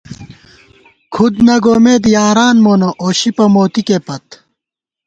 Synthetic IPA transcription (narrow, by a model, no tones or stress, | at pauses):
kʰud̪nɐɡoːmeːd̪ijaːɾaːnmoːnoʔoːɕipɐmoːt̪ikepɐt̪